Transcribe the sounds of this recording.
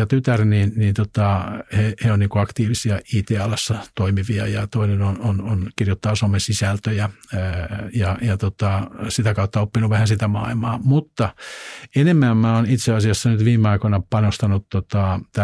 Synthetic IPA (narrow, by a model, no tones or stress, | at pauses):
jɑt̪yt̪ærninnint̪ot̪ɑheheonniːŋkoɑkt̪iːʋisiɑiːt̪eɑlɑsːɑt̪oimiʋiɑjɑt̪oinenonononkirjot̪ːɑːsomesisælt̪øjæ | jɑjɑt̪ot̪ɑsit̪ækɑut̪ːɑopːinuʋʋæhænsit̪æmɑilmɑːmut̪ːɑenemːæːmmæonit̪seɑsiɑsːɑnyt̪ʋiːmeɑikonɑpɑnost̪ɑnut̪ːot̪ɑt̪æ